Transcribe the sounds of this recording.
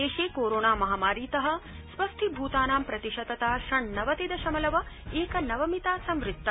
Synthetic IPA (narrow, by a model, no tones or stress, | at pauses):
eːʃeːkoːɾoːnaːmɐɦaːmaːɾiːt̪ɐɦɐ̆sʋɐst̪ʰibʱuːt̪aːnaːmpɾɐt̪iʃɐd̪ɐt̪aːʃɐɳnɐʋɐt̪id̪ɐʃɐmɐlɐʋɐeːkɐnɐʋɐmit̪aːsɐ̃mʋɾɪt̚t̪ːɐ